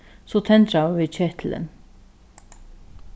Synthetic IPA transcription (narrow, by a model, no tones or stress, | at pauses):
sɔt̪ʰɛnt̪ɾavɪðt͡ʃɛht̪ʰlə̰n